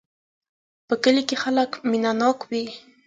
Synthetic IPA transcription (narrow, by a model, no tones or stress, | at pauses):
pəkəlikexalakmɪnanɑkwi